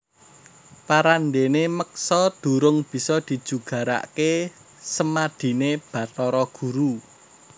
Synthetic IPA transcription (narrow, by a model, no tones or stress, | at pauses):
paɾanɖeneməksɔd̪̥ṳɾʊŋb̥i̤sɔd̪̥i̤d̥ʒ̥ṳɡ̥ä̤ɾa̰ʔke | səmad̪̥i̤neb̥ä̤t̪ɔɾɔɡ̥ṳɾu